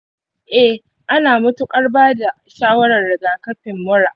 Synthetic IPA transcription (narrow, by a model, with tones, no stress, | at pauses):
ʔɛ˦ | ʔa˦naː˨mʊ˦tu˦kʼɐ˦rbaː˦da˨ | ʃaː˦wɐ˦ɽɐ˨rːɪ˨ɡaː˨kɐ˦ɸɪ˨mːʊ˦ɾa˨ʔ